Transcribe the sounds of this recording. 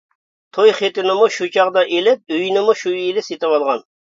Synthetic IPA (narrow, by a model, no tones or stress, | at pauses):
t̪ʰojχet̪ɪnɪmuʃut͡ʃʰɑʁd̪ɑʔelɪp̚øjnɪmuʃuilɪset̪ɪwɑlˠʁɑn